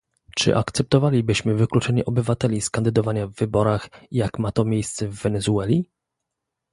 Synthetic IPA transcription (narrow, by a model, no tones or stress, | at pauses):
t͡ʂɘ̰ʔakt̪sɛp̚t̪ɔvalʲibɘɕmɘvɘklut͡ʂɛɲɛʔɔbɘvat̪ɛlʲiskand̪ɘd̪ɔvaɲavːɘbɔɾaxjakmat̪ɔmʲjejst̪sɛvːɛnɛzuɛlʲi